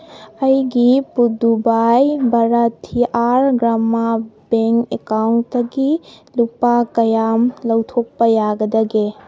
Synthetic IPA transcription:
ɐjɡipud̪ubajbʱɐɾɐt̪ʰiʔaɾɡɾamːabeŋkekawntdɐɡilupakɐjamlɐwt̪ʰok̚pɐjaɡɐd̪ɐɡe

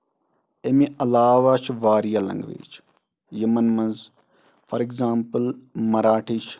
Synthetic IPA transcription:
emẽɐlaːʋat͡ʃʰʋaːɾijalɐ̰̃ŋɡʋḛːt͡ʃʰ | jɐmɐnmɐnz | fɐɾekzaːmpəlmɐɾaːʈʰit͡ʃʰ

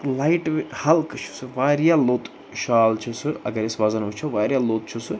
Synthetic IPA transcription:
lajiʈʋehɐlkt͡ʃʰu̥sɨʋaːɾjaloːt̪ | ʃaːlt͡ʃʰusɨɐ̰ɡɐɾisʋaːzɐnɦut͡ʃʰɐʋaːɾjaloːt̪̚t͡ʃʰusɨ

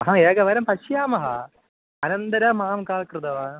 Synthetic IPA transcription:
ɦãeːɡɐʋɐɾɐmpɐɕjaːmɐɦɐ̰ | ɐnɐnd̪ɐɾɐmaːmkaːlkrɨd̪ɐʋaːn

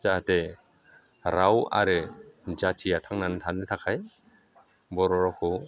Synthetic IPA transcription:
zahate | ɾawa̰ɾɯzatʰijatʰaŋnanɯtʰanɯtʰakʰaj | bɔɾɔɾɔkʰɔ

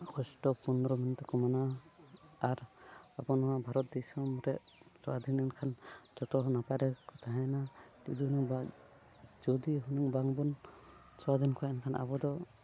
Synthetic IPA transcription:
kɔsʈɔpɔnɔɾɔminit̪ɔkɔmanaː | ɾabɔnɔŋabʱaɾɔt̪̚d̪ɛsɔmɾɛʔ | sɔad̪inɛnkʰand͡ʒɔt̪ɔɦɔnapaɾɛkɔt̪ʰaɦajnatḭd̪iɦunuŋba | d͡ʒɔd̪iɦunuŋbaŋbɔn | sɔwad̪inkʰɔaankʰanʔa̰bɔd̪ɔ

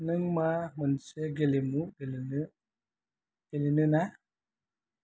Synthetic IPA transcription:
nɨŋmamənsɛɡelemuɡeln | ɡ̥elinɨna

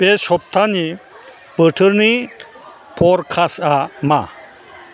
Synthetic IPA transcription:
pesɔp̚t̪ʰani | pəʈʰəɾni | pʰɔɾkʰasama

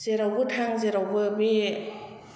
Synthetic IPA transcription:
zeɾawbɯtʰaŋzeɾawbɯbi

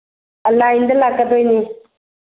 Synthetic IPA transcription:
əlajnd̪əlakːəd̪ojni

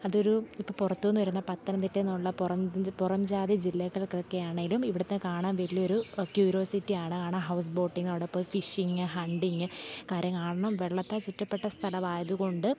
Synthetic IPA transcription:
ɐðo̞ɾuipːoːpurɐt̪ːuʋenːɨʋɐɾunːɐpɐt̪ːɐnɐmt̪itːɐnːuɭːɐpurɐmpurɐmd͡ʑaːðid͡ʑilːɐɣɐɭkːokːe̞jaːɳeŋɡilumiʋiɽɐt̪ːenɨkaːɳaːnʋɐlijɐo̞ɾukjuːɾo̞ːsitːijaːɳɨkaːɳaɦɐws̬bo̞ːʈːiŋːɡnɐʋɽepːoːlfiʂiŋɡɨɦɐɳɖiŋːɨkaːɾjɐmkaːɳɐɳɐmʋe̞ɭːɐt̪ːet͡ɕutːɐpːe̞ʈːɐst̪ʰɐlɐmaːjɐðuko̞ɳɖɨ

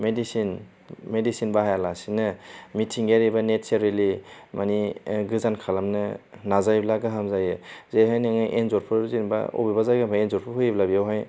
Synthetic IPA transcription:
medisin | medisinbahajalasinɐmitʰiŋɡeɾibanet͡ʃaɾelimaniɡɯzankʰalamnɯnazajblaɡɯɦamzajɯzejɦajnɯŋɯʔenzoɾpʰɯzinba̰o̰bibazajɡampʰaenzɔɾpʰɯɦɯjblabijawɦaj

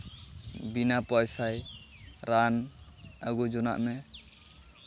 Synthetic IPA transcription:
binapɔjsajɾanaɡud͡ʒɔna̰ʔmɛ

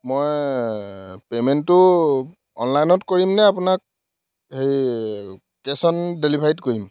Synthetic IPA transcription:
moj | pemɛntːʊ | ɔ̰nlajnɔtkoɹimnɛapʊnak̚ | hej | kesɔndelibʱajtkoɹim

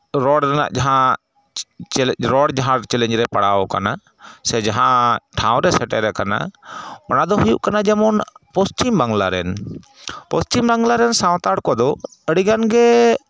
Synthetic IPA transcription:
ɾɔɽɾɛna̰ʔd͡ʒaɦã | ɾɔɽd͡ʒaɦãɾt͡ʃɛlɛ̃ɲd͡ʒɾɛpaɽaɔka̰na | sɛd͡ʒaɦãʈʰãw̃ɾɛsɛʈɛɾɛkana̰ɔnad̪ɔɦujṵʔkanad͡ʒɛmɔnpɔst͡ʃimbaŋɡlaɾɛ̰n | pɔst͡ʃimɾaŋɡlaɾɛnsãw̃t̪aɽkɔd̪ɔ | əɽiɡanɡɛ

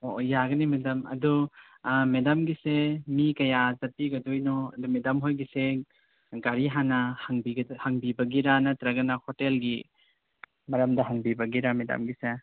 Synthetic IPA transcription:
ojaɡɐnimedɐmɐ̰du | medɐmɡisemikɐjazɐtiɡɐdojnɔɐ̰dumedɐmɦojɡise | ɡaɾiɦanɐhaŋbiɡɐhaŋbibɐɡiɾanɐtɾɐɡɐnɐhotelɡi | mɐɾɐmdɐɦɐŋbibɐɡiɾamedɐ̰mɡise

